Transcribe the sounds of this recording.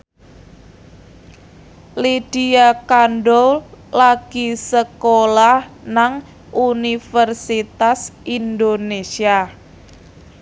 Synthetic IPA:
lid̥iakanɖɔlaɡ̥isəkolahnaŋ | ʔunifərsit̪asind̪onesia

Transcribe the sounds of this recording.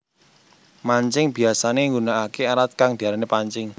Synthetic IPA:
maɲt͡ʃɪŋb̥i̤asaneŋɡunaʔakeaɾat̪̚kaŋd̪̥i̤aɾanepaɲt͡ʃɪŋ

